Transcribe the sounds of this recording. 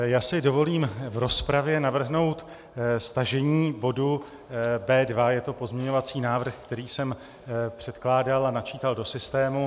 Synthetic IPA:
jaːsɪdo̞vo̞liːmvɾo̞spɾavjɛnavr̩ɦno̞wt̪ | st̪aʒɛɲiːbo̞du | bɛːdvajɛt̪o̞po̞zmɲɛɲo̞vat͡siːnaːvr̩xkt̪ɛɾiːsɛm | pr̝̥ɛt̪klaːdalanat͡ʃiːt̪aldosɪst̪ɛːmu

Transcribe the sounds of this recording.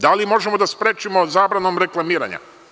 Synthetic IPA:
d̪alimo̞ʒemod̪aspɾeːt͡ʃimo̞zaːbɾano̞mɾe̞klˠamiːɾa̰ɲa̰

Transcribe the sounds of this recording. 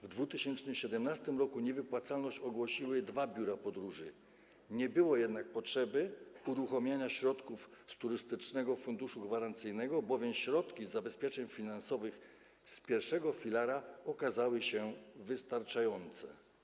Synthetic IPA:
vd̪vut̪ɘɕɛnt͡ʂnɘmɕɛd̪ɛmnast̪ɘmɾɔkuɲɛvɘpwat̪salnɔɕt͡ɕɔɡwɔɕiwɘd̪vabʲjuɾapɔd̪ɾuʐɘ | ɲɛbɘwɔjɛd̪nak̚pɔtʂɛbɘuɾuxɔmʲjaɲaɕɾɔt̪kufst̪uɾɘst̪ɘt͡ʂnɛɡɔfund̪uʂuɡvaɾant̪sɘjnɛɡɔbɔvʲjɛmɕɾɔt̪kʲizːabɛspʲjɛt͡ʂɛɲfʲinansɔvɘx | spʲjɛɾʂɛɡɔfʲilaɾaɔkazawɘɕɛvɘst̪aɾt͡ʂajɔnt̪sɛ̰

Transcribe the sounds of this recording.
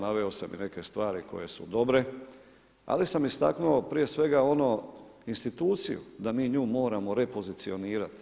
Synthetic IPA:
naʋeosamḭne̞ke̞st̪ʋaːɾiko̞̰je̞sṵd̪o̞bɾe̞ | a̰lisamist̪a̰knuopɾije̞sʋe̞ɡao̞no | inst̪it̪uːt̪sḭjṵd̪amiːɲuːmo̞ːɾamo̞ɾe̞po̞zit̪sio̞niːɾat̪

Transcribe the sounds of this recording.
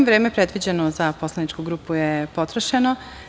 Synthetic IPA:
ʋɾe̞ːmepɾe̞d̪ʋid͡ʑenozapo̞slˠanit͡ʃkuɡɾuːpujepo̞t̪ɾoʃeno

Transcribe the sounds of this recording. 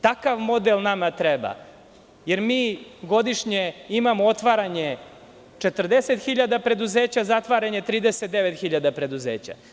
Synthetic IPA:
t̪akaʋmo̞d̪elˠnamat̪ɾeba̰ | jeɾmiːɡo̞d̪iʂɲeimamoot̪ʋaɾaɲe̞ | t͡ʃet̪r̩d̪ese̞t̪xiʎad̪apɾe̞d̪uzeːt͡ɕazat̪ʋaɾaɲe̞t̪ɾiːd̪eset̪d̪eʋet̪xiʎad̪apɾe̞d̪uzeːt͡ɕa̰

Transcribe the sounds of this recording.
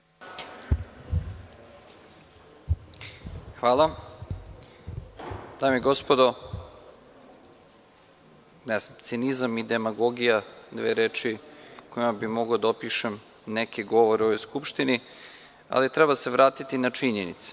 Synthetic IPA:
xʋaːlˠa | d̪̥aːmeiɡo̞spod̪o | nɛzamt̪sinizamid̪e̞maɡo̞ɡijad̪ʋḛːɾeːt͡ʃikoimabimoɡod̪aopiʃem | nekʰeɡo̞ʋoɾeo̞ʋo̞jskupʃt̪ini | a̰lit̪ɾebase̞ʋɾaːt̪it̪inat͡ʃiɲenḭt̪se̥

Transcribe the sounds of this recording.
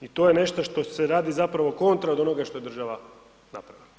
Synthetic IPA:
it̪o̞jene̞ʃt̪oʃt̪o̞seɾaːd̪izapɾaʋo̞ko̞nt̪ɾaod̪o̞noɡaʃt̪o̞jed̪ɾr̩ʒaʋa | napɾaʋila

